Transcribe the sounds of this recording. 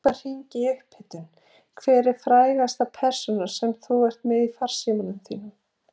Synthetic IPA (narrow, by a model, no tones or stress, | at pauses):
ar̥iɲcɪʏhphɪt̪ʏn | kʰvɛːɾɪɾ̥fɾaːjɣast̪apʰɛɾ̥sɔnaɾ̥sɛmθuɛr̥t̪mɛðifar̥siːmanʏmθiːnʏm